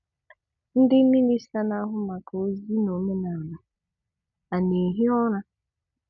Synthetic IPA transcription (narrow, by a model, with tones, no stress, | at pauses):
n̩˦dɪ˦mi˦ni˦sa˦na˦ɦʊ˦ma˨ka˨o˦zi˦no˨me˦na˨la˨ | a˨ne˨ɦi˦ɔ˦ɾa˦